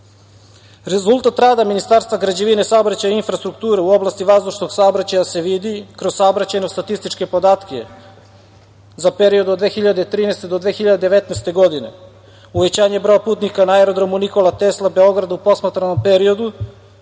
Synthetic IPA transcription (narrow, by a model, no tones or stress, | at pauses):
ɾezulˠt̪at̪ɾaːd̪aminist̪aːɾst̪vaɡɾad͡ʑeʋinesaobɾat͡ɕajainfɾast̪ɾukt̪uːɾeuo̞blˠast̪iʋazd̪uʃno̞ɡsaobɾat͡ɕajase̞ʋid̪ikɾozsaobɾat͡ɕajnost̪at̪ist̪it͡ʃke̞po̞d̪aːt̪ke | zape̞ɾio̞d̪od̪ʋeːxiʎad̪et̪ɾiːnest̪e̞d̪od̪ʋeːxiʎad̪ed̪eʋet̪najst̪e̞ɡo̞d̪ine̞̰ | uʋet͡ɕaːɲe̞bɾo̞japuːt̪nikanaeɾod̪ɾo̞muniko̞lat̪eslˠabeo̞ɡɾad̪upo̞smat̪ɾano̞mpeɾio̞d̪u